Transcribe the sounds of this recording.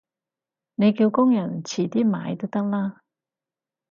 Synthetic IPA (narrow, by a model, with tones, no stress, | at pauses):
ne˨˧jkiː˧wkʊ˥ŋjɐ˨˩nt͡sʰiː˨˩t̪iː˥ma̰ː˨˧jt̪o˥wt̪ɐ˥k̚laː˥